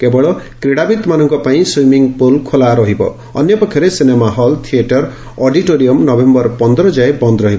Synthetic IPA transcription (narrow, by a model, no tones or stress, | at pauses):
kebɔɽɔkɾiɽabit̪manʌŋkɔpaĩswimiŋɡpolkʰolaɾɔɦibɔ̰ː | njʌpɔkʰːjɔɾesinemaɦʌlt̪ʰieʈɔɾ | ɔɖiʈoɾijɔmnʌbembʌrpɔnd̪ɾɔd͡ʒajbʌnd̪ɾʌɦibɔ